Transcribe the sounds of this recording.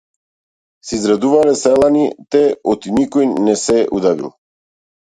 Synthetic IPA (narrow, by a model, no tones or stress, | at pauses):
siizɡɾad̪uvalɛsɛlˠanit̪ɛɔt̪inikɔjnɛsɛʔud̪avḭlˠ